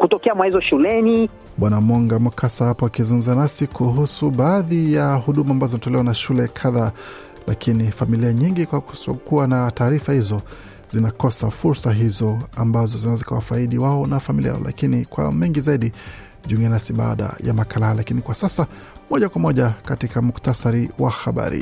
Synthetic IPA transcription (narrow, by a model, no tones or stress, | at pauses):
kutɔkɛamwahizɔʃulɛni | ɓwanamɔŋɡamukʰasahapɔakizuŋɡum̩zanasikʰuɦusuɓaːðijahuɗumambazɔzɔinatɔlɛwanaʃulɛkʰaða | lakʰinifamiliaɲiŋɡikwaukuanataːɾifahizɔ | z̥inakɔsafuɾsaɦizɔambazɔzinazika̰wafaiɗiwaɔnafamilia̰lʔa̰kinikwa̰mɛŋɡizaiɗi | ʄuuŋɡɛnasiɓa̰a̰ɗa̰ja̰makalahalakinikwasasa | mɔʄakwamɔʄakatikamuktasaɾiwa̰xaɓa̰ɾḭ